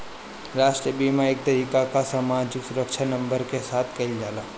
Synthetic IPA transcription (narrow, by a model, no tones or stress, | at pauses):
ɾaːʃʈɾijəbiːmaeːk̚t̪ɐɾiːkakasaːmaːd͡ʒɪksʊɾəkʃʰanɐ̃mbəɾkesaːt̪ʰkɐild͡ʒaːlaː